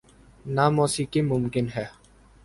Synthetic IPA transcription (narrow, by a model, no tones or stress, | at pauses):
namɔːsikimʊmkɪnɦɛː